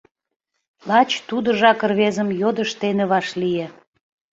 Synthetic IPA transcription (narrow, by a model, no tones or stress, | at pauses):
lɑt͡ɕt̪ud̪ə̆ʒɑkərβezəmjod̪əʃt̪eneβɑʃlije